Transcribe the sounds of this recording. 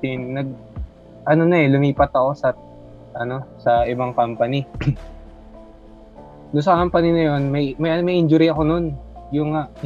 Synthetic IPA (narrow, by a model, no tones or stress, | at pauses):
ɪnːɐɡ̚ | ʔɐno̞nɐɛlʊŋiːpɐt̪̚ɐko̞sɐ | ʔɐno̞sɐʔɪbaŋkampɐnɪ | nʊŋs̬ɐkampɐnɪnɐjo̞nmɐjmɐjʔɐmɐjʔɪnd͡ʒʊɾiɐko̞no̞njʊŋaʔ